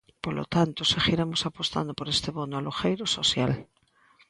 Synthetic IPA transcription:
polo̰t̪ant̪oseɣiɾemosapo̞st̪a̰nd̪opo̞ɾest̪eβo̞noaloxejɾoso̞θjal

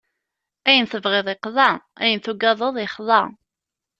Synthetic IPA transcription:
æjənθəvʁɪðˤɪqðˤɑæ̰jənθuɡɑðˤəðˤɪχðˤɑ

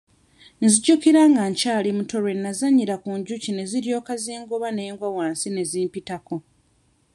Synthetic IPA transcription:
nziɟukiɾaːŋɡaɲcaːlimuto̞ɾwe̞nːazaɲːiɾakuɲɟucine̞ziɾjo̞ːkaziːŋɡoβane̞ːŋɡwawaːnsine̞ziːmpitako̞

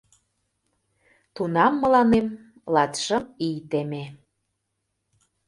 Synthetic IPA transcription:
t̪unɑmːə̆lɑnem | lɑt̪ʃə̆mijt̪eme

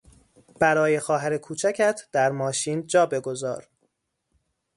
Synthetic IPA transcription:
b̥æɾɒːje̞xɒːɦæɾekʰuːt͡ʃʰæcʰæt̪ʰd̪̥æɾmɒːʃiːnd͡ʒɒːbe̞ɡo̞zɒ̰ːɾ

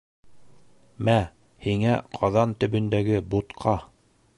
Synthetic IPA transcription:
mæ | hiŋæ̰qʰɑðɑnt̪ɵ̆bɵ̆nd̪æɡɘbut̪qʰɑ

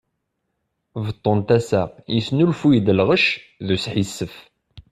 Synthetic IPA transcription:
vət̪ˤːont̪æsæjisnulfujid̪əlʁəʃðusħisːəf

